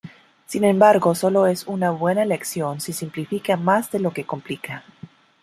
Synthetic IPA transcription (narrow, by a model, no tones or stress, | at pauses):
sinẽ̞mbaɾɣo̞so̞lo̞e̞sunaβwe̞nale̞ksjo̞nsesimplifikamazðe̞lo̞ke̞ko̞mplika